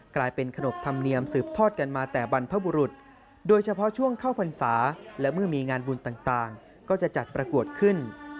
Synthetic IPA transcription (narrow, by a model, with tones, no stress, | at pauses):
klaː˧jpe˧nkʰa˧no˨˩p̚t̪ʰa˧mni˧əmsɯː˨˩p̚t̪ʰɔː˥˩t̪̚ka˧nmaː˧t̪ɛː˨˩ba˧npʰa˦˥buː˧ɾu˨˩t̪̚ | doː˧jt͡ɕʰa˧pʰɔ˦˥t͡ɕʰu˥˩əŋkʰaː˥˩wpʰa˧nsaː˩˦lɛ˦˥mɯ˥˩əmiː˧ŋaː˧nbu˧nt̪aː˨˩ŋt̪aː˨˩ŋ | kɔː˥˩t͡ɕa˨˩t͡ɕa˨˩t̪̚pɾa˧ku˨˩ət̪̚kʰɯ˥˩n